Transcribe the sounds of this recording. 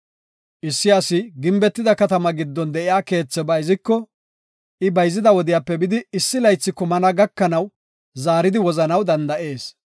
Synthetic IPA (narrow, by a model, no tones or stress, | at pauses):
ʔɪsːɪjasɪɡɪmbɛt̪ːɪd̪ɐkɐt̪ɐmɐɡɪd̪ːɔnd̪ɛʔɪjaːke̞ːt͡sːɛbɐjɪzɪkːɔ | ʔɪbɐjzɪd̪ɐwɔd̪ɪjaːpːɛbɪd̪ɪɪsːɪlɐjt͡sːɪkːɔmɐnɐɡɐkːɐnɐw | zaːɾɪd̪ɪwɔzɐnɐwd̪ɐnd̪ɐʔe̞ːs